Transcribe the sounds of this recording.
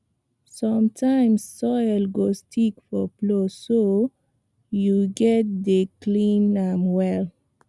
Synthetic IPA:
sɔ̃mtʰãj̃msːɔjlɡostʰikfɔploso | juɡɛt̚deklĩnãmwɛl

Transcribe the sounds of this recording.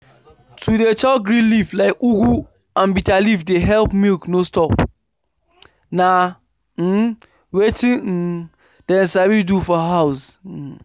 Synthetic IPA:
tudet͡ʃaɡɹĩnliflaɪkuɡu | ãnbitalifdeɦɛlpmilknostɔp̚ | na | wetĩ | d̥ɛ̃nsabidufɔɦaʊs̩

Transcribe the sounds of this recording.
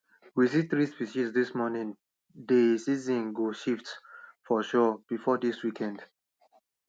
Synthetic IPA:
wis̬iθɹispiʃisdismɔnĩŋ | desizĩnɡoʃiftfɔʃɔb̥ifɔdiswikʰɛ̃nd

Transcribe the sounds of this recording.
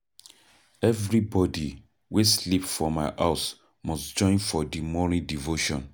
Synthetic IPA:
ɛvɹibɔdi | weslipfɔmaɪʔaʊs | mɔsd͡ʒɔ̃ɪ̃nfɔdimɔnĩndivoʃɔ̃n

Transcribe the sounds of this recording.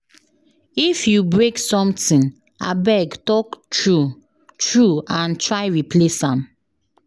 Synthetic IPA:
ifjubɹeksɔ̃mtĩn | a̰bɛɡtɔktɹu | tɹuãntʰɹaɪɹipʰlesãm

